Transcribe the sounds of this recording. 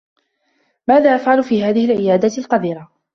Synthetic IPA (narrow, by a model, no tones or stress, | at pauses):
maːðaːʔafʕalʊfiːɦaːðɪhɪlʕɪjaːd̪alqɑd̪iːɾa